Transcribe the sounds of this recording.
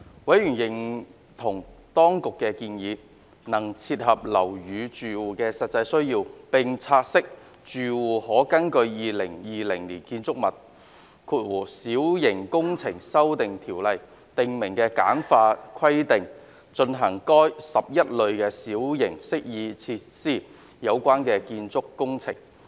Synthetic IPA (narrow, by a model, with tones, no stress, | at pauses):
wɐ˨˥jɥyː˨˩njɪ˨˩ŋ | t̪ʰʊ˨˩ŋt̪ɔː˥ŋkʊ˨kːɛː˧kiː˧njiː˨˧ | nɐ˨˩ŋt͡sʰiː˧t̚hɐ˨p̚lɐ˨˩wjyː˨˧t͡ʃyː˨wuː˨kɛː˧sɐ˨t̚t͡sɐ˧jsɵ˥ɥjiː˧wpɪ˨ŋt͡sʰaː˧t̚sɪ˥k̚ | t͡ʃyː˨wuː˨˩hɔː˨˥kɐ˥nkɵ˧ɥjiː˨˧lɪ˨˩ŋjiː˨lɪ˨˩ŋliː˨˩nkiː˧nt͡sʊ˥k̚mɐ˨t̚ | kʰuː˨˧t̚wuː˨˩siː˨˥wjɪ˨˩ŋkʊ˥ŋt͡sʰɪ˨˩ŋsɐ˥wt̪ɪ˨ŋt̪ʰiː˨˩wlɐ˨j | t̪ɪ˨ŋmɪ˨˩ŋkɛː˧kaː˨˥nfaː˧kʰɐ˥jt̪ɪ˨ŋ | t͡ʃɵ˧nɦɐ˨˩ŋkɔː˥jsɐ˨p̚jɐ˥t̚lɵ˨˧ɥkɛː˧siː˨˥wjɪ˨˩ŋsɪ˥k̚jiː˧t͡sʰiː˧t̚siː˥˩ | jɐ˨˧wkʷaː˥nkɛː˧kiː˧nt͡sʊ˥kːʊ˥ŋt͡sʰɪ̰˨˩ŋ